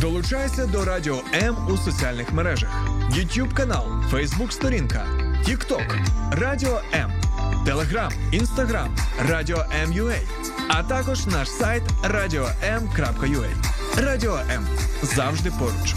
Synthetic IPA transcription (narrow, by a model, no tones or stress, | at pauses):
d̪ɔlˠʊt͡ʃajesʲɐd̪ɔɾɑdʲiɔɛmusɔt͡sʲialʲnɪxmeɾɛʒɐ̰xjʊtʲjubkɐnɑlˠfɛjzbukst̪ɔɾʲinkɐtʲikt̪ɔkrɑdʲiɔʔɛmt̪elˠeɦɾɑminst̪ɐɦɾamrɑdʲiɔʔɛmjʊɛj | ɐt̪ɑkɔʒnɑʃsajt̪rɑdʲiɔʔɛmkɾɑpkɐjʊɛ̰j | rɑdʲiɔʔɛmzɑwʒd̪ɪpɔɾʊt͡ʃ